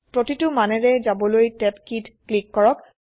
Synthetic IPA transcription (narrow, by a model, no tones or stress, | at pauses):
pɹotitʊmanɛɹɛzabɔlojtɛpkitklikːɔɹɔk̚